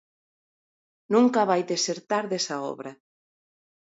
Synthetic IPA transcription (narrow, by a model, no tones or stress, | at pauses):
nũŋkaβajd̪eseɾt̪aɾðesaɔ̰βɾɐ